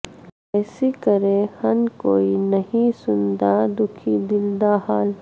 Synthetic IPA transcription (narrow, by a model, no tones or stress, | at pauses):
ɛːsikəɾẽhɐnkoːinɐɦĩsʊnd̪ad̪ʊkʰid̪ɪld̪ahaːl